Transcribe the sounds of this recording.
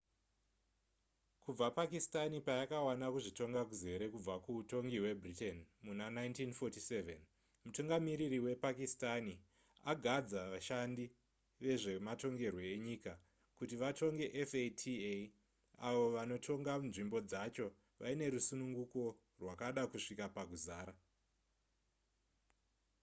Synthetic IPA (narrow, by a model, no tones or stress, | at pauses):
kub͡vapakistanipajakawanakuʐito̞ŋɡakuze̞ɾe̞kub͡vakuːto̞ŋɡiwe̞britenmunanaintinfotise̞vḛn | mutuŋɡamiɾiɾiwe̞pakistani | aɡʱad͡zaʋaʃandi | ʋe̞ʐe̞mato̞ŋɡe̞rwo̞eɲika | kutiʋatʰo̞ŋɡe̞ʔefetʰie | aʋo̞ʋano̞tʰo̞ŋɡanʐimbo̞d͡zat͡ʃo̞ | ʋʔa̰ine̞ɾusunuŋɡuko̞ | rwakaɗakuʂikapaɡuzaːɾa